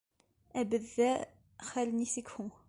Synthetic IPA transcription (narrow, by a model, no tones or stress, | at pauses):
æbəðːæ | χælnisikhʊ